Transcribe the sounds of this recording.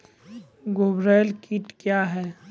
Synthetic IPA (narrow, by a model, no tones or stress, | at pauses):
ɡoːbɾelkiʈkjaːɦɛː